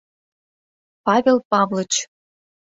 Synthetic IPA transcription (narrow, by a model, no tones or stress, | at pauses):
pɑβʲelpɑβlə̆t͡ɕ